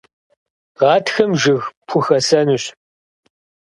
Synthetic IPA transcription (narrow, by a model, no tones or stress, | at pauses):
ʁɑːtxɐmʒɪɣpʰʊxɐsɐnuɕ